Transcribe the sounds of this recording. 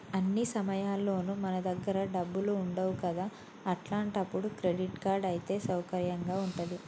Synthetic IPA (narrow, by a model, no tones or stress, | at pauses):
ɐnːisɐmɐjaːlːo̞ːnumɐnɐd̪ɐɡːɐɾɐɖɐbːuluuɳɖɐwukɐd̪aː | ɐʈlaːɳʈɐpːuɽukɾe̞ɖiʈkaːɾɖɐjit̪e̞ːsɐwkɐɾjɐŋɡaːuɳʈud̪i